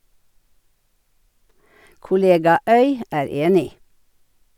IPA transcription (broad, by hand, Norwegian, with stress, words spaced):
kʊˈleːɡɑ ˈœʏ ˈæːɾ ˈeːnɪ